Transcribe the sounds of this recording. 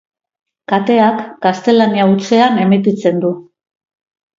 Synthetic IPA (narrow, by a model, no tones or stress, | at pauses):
kat̪e̞akɡast̪e̞laniaut͡se̞ane̞mit̪it͡se̞nd̪u